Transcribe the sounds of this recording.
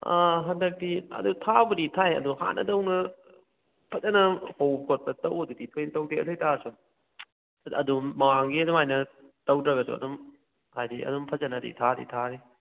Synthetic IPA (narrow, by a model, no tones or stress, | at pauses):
aɦɐndɐk̚tiɐ̰dutʰabuditʰajɐ̰duha̰nɐ̰dɐwnɐ | pʰɐzɐnɐhowpʰot̚pɐtɐwɐduditʰojnɐtɐwdiɐtʰojtʰasu | ɐ̰dumːɐwaŋɡiɐdumajnɐ | tɐwdɾɐɡɐsṵɐ̰dum | hajdiɐ̰dumpʰɐzɐnɐdḭtʰadḭtʰaɾi